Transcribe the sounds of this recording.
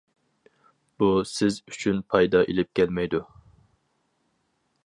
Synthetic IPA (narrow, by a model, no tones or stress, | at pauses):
b̥usɪzyt͡ʃʰynpʰɑjd̪ɑʔelɪp̚kʲʰɛlmɛjd̪u